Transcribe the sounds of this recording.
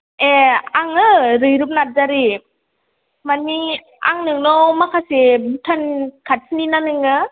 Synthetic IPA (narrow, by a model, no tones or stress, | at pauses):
eaŋɯɾɯjɾɯp̚nat̚zaɾi | mani | a̰ŋnɯŋnɔmakʰasebutʰankʰat̚sʰininanɯŋɯ